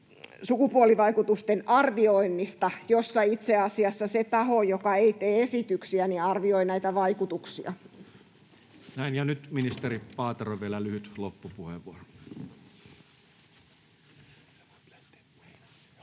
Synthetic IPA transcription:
sukupuoliʋɑikut̪ust̪enɑrʋioinːist̪ɑjosːɑit̪seɑsiɑsːɑset̪ɑhojokɑeit̪eːesit̪yksiæniɑrʋioinæit̪æʋɑikut̪uksiɑ̰ | næinjɑnyt̪minist̪eripɑːt̪eroʋielælyhyt̪lopːupuhḛʋʋuoro

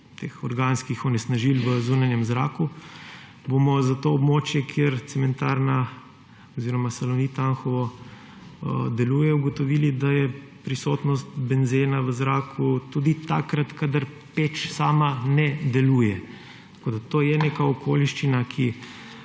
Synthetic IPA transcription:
t̪eːxɔɾɡanskixɔnɛsnaʒilʋəzunanjɛmzɾa̰ːku | bomɔzat̪oːbmot͡ʃjɛkʰjeɾt̪sɛmɛnt̪aːɾna | ɔziɾɔmasɛlɔnit̪anxɔʋɔ | əd̪ɛluːjɛuɡɔt̪ɔʋiːlid̪ajɛpɾisoːt̪nɔst̪bɛnzeːnaʋəzɾaːkʰut̪ud̪it̪a̰kɾat̪kad̪aɾ | pet͡ʃsaːmanɛd̪ɛluːjɛ | t̪ḁkoːd̪at̪oːjɛnekaɔkʰoliʃt͡ʃinakʰi

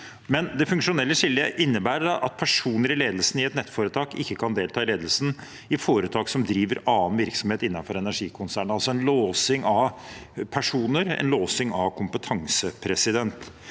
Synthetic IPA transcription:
mɛnd̪ɛfʉŋkʂʊnɛlːəʂɪlːəʔɪnːəbæːɾɖɑʔɑt̪̚pʰæʂuːnəɾɪleːd̪əlsn̩ɪɛt̪nɛt̪ːfoːɾət̪ʰɑːkɪkːəkʰɑnd̪eːlt̪ʰɑːɪleːd̪əl̩sn̩ | ɪfoːɾət̪ʰɑːksɔmd̪ɾiːʋəɾɑːnʋɪɾksɔmheːt̪ɪnːɑfɔɾɛnæʂiːkʰʊnsæːɳɑlsɔɛnloːsɪŋɑʋpʰæʂuːnəɾɛ̰nloːsɪŋɑʋkʰʊmpət̪ʰɑŋsəpʰɾɛsɪd̪ɛnt̪

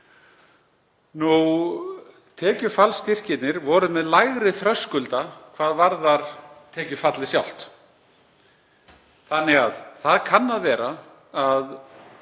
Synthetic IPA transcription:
nu | t̪ʰɛːcʏfalst̪ɪr̥cɪt̪nɪɾvɔɾʏmɛðlajɣɾɪθɾœskʏlt̪akʰvaːðvaɾðaɾ̥t̪ʰɛːcʏfat̪lɪsjawl̥t̪ | θanːɪɣaðθaðkʰanːaðvɛːɾa | að

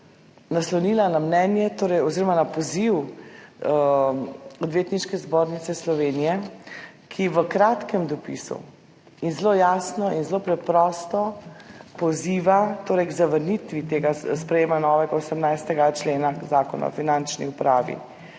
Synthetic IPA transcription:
naslɔwniːlanamnɛnjɛt̪oːɾɛjɔziːɾɔmanapɔziw | ɔd̪ʋjeːt̪niʃkɛzboːɾnit̪sɛslɔʋeːnijɛ | kʰiʋəkɾat̪kɛmd̪ɔpḭsṵ | inzlojaːsnɔʔinzlopɾɛpɾɔst̪ɔpɔziːʋat̪oːɾɛjɡzaʋəɾnit̪ʋit̪eːɡaspɾɛjeːmanɔʋɛɡaosɛmnajst̪ɛɡat͡ʃleːnazaːkɔna̰ɔ̰finant͡ʃnḭupɾaːʋḭ

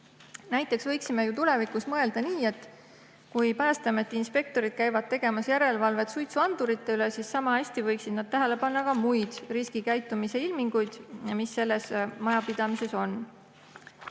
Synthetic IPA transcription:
næjt̪ːˑe̞ksvɤjksime̞jut̪ule̞vikˑusmɤe̞ld̪ɑniːe̞t̪ːˑ | kujpæːst̪ɑmet̪ːˑinspe̞k̚t̪o̞ɾid̪̥̚kæjvɑd̪̥̚t̪e̞ɡe̞mɑsjæɾe̞lvɑlve̞t̪sujt̪suɑnd̪̥uɾit̪ːˑe̞ylesissɑmɑæsʲt̪ivɤjksid̪̥nɑd̪̥̚t̪æɦele̞pɑnːɑkɑmujd̪̥riskikæjt̪ːˑumise̞ilmiŋɡ̥ujd̪̥misːe̞lːe̞smɑjɑpid̪̥ɑmise̞so̞nː

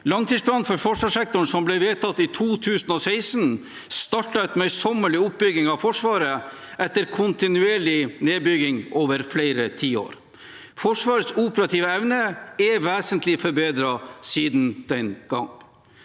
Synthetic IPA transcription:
lɑŋt̪ʰiːspʰlɑːnfɔɾfɔʂʋɑːʂɛk̚t̪ʊɳ̩sɔmblɛʋeːt̪ʰɑt̪ːiːt̪ʰuːt̪ʰʉːsənɔsæɪsn | st̪ɑʈɑɛt̪mœʏsɔmːəɭɪʊp̚bʏɡɪŋɑʋfɔʂʋɑːɾə | ʔɛt̪ːəɾkʰʊnt̪ɪnʉeːɭɪneːbʏɡɪŋoːʋəɾfleɪɾət̪ʰiːo̰ːɾ | fɔʂʋɑːɾəsuːpəɾɑt̪ʰiːʋəɛʋnəɛʋeːsənt̪ʰlɪfɔɾbeːd̪ɾɑsiːd̪nd̪̥ɛnɡ̥ɑ̰ŋ

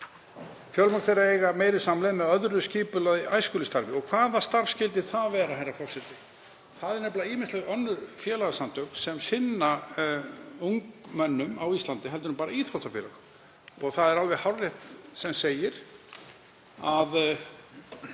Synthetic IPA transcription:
fjœlmat̪θejɾaejɣameːjɾɪsamlɛðmɛðœðɾʏsciːpʏlaðɪʔaːjskʏːlɪst̪aɾvɪɔɣkʰvaːðast̪aɾvfscɪlt̪ɪθaðvɛːɾaɦajɾafɔr̥sɛt̪ɪ | θaðɛɾnɛplaiːmɪnst̪ɛɣœnːʏɾfjɛːlaɣasant̪œwknsɛmsɪnːa | uŋkmœnːʏmawist̪lant̪ɪɦɛlt̪ʏɾnʏmpaːɾaiːθɾɔt̪afjɛːlaɣ | ɔɣθaðɛɾalvɛɣhawrːɛht̪sɛmseːjɪɾ̥ | að

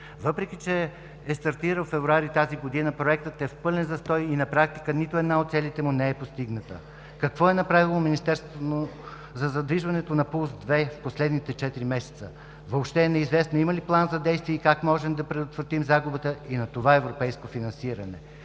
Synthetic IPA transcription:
vɤpɾɛk̟it͡ʃɛ | ɛst̪ɐɾt̪iɾəlfɛvɾuaɾit̪aziɡod̪inəpɾoɛkt̪ət̪ɛfpɤlɛnzɐst̪ɔjinɐpɾak̚t̪i̥kənit̪ʊɛd̪naot̪t̪sɛlit̪ɛmunɛɛpost̪iɡnət̪ə | kɐkvɔɛnɐpɾavilˠominist̪ɛɾst̪voo | zɐzɐd̪viʒvɐnɛt̪onɐpulˠsd̪vɛfposlɛd̪nit̪ɛt͡ʃɛt̪iɾimɛsɛ̥t̪sə | voːpʃt̪ɛnɛizvɛsnoiməliplˠanzɐd̪ɛjst̪viɛikakmɔʒɛmd̪ɐpɾɛd̪ot̪vɾɐt̪imzaɡubət̪əinɐt̪ovaɛvɾopɛjskofinɐnsiɾɐnɛ

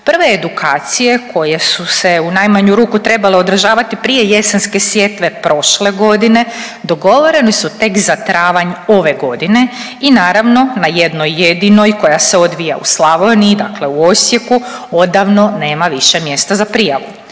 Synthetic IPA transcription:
pr̩ʋe̞ːd̪ukʰaːt̪sije̞kʰo̞jesuse̞unajmaɲuɾuːkut̪ɾe̞baleod̪ɾaʒaːʋat̪ipɾije̞je̞senske̞sʋje̞t̪ʋe̞pɾʔo̞ʃle̞ɡo̞d̪ine̞d̪o̞ɡo̞ʋo̞ɾe̞nesut̪e̞kzat̪ɾaːʋaɲo̞ʋe̞ɡo̞d̪ine̞ | inaːɾaʋno̞naje̞d̪nojːed̪ino̞jko̞jaseo̞d̪ʋija̰ṵslˠaʋoniid̪akle̞uo̞sje̞ku | o̞d̪aʋno̞ne̞ːmaʋiʃe̞mje̞st̪azapɾijaʋu

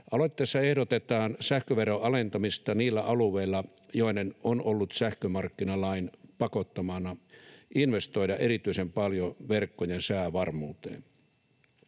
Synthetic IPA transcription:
ʔɑloit̪ːeːsːɑehɾot̪et̪ɑːnsæhkøʋeroɑlent̪ɑmist̪ɑniːlːæʔɑluʋˑeilːɑjoinenonolːut̪sæhkømɑrkːinɑlɑinpɑkot̪ːɑmɑnɑʔinʋest̪oidɑʔeɾit̪yisempɑljoʋerkːojensæːʋɑrmuːt̪ḛːn

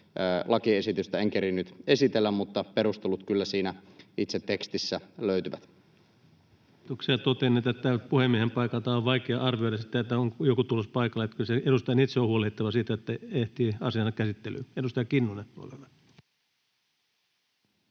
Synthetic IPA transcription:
lʔɑkiesit̪yst̪æeŋkeɾinːyt̪esit̪elːæmmut̪ːɑpeɾust̪elut̪kylːæsiːnæit̪set̪ːekst̪isːæløyt̪yʋæ̰t̪ | t̪oksiɑt̪ot̪enːeːt̪et̪tæʋt̪puhemːiehempɑikɑlt̪ɑoʋʋɑikeɑɑrʋioiɑsit̪ːˑæet̪ːæoŋkjokut̪ulospɑikɑleet̪kyseedust̪ɑnit̪seohuolehit̪ːɑʋɑsiːt̪æet̪ːæeht̪iːɑsiɑnɑkæsit̪ːely̰edust̪ɑjɑkinːonetːuo̰leʋe

